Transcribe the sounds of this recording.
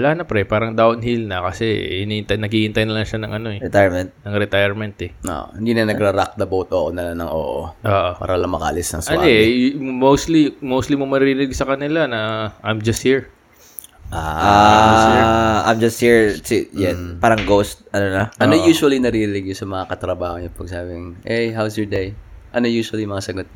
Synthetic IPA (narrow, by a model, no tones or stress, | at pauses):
wɐlaːnɐpɾɛpaːɾɐŋd̪awnhilnɐkɐsɛɪniʔɪnt̪ɐjnɐɡihɪnt̪ɐjnɐlaŋʃanɐŋʔɐno̞ɛɾɛt̪ajmɛnt̪̚nɐŋɾɛt̪ajɛɹmɛnt̪ɛo̰ʔhɪnd̪inɐnɐɡɾɐɾak̚d̪ɐbowt̪ʔoːʔonɐlanɐŋo̰ʔo̰ʔoːʔopa̰ːɾɐlɐŋmɐkɐ̰ʔɐ̰lɪsnɐ̰ŋsnomowst̪limowst̪limomɐɾɾinɪɡsɐkɐnɪlanɐʔajmd͡ʒɐst̪̚hiɹ | ʔaa | ʔa̰jmd͡ʒɐst̪̚hiɹsijanpaːɾɐŋɡowst̪̚ɐnonɐʔɐnojuːʃwɐlinɐɾiɾɪnɪɡ̚josɐmɐŋakɐt̪ɾɐbaːhoŋɲopɐɡ̚saːbɪŋʔɛjɦawsjoɹd̪ejʔɐnojuːʃɐliʊmɐŋasɐɡot̪̚